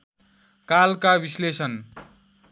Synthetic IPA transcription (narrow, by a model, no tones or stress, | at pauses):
kalkabislesʌn